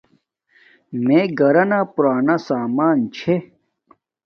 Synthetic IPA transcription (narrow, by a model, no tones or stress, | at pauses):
mẽɡɐɾɐnapuɾaːnasaːmaːnt͡ɕʰe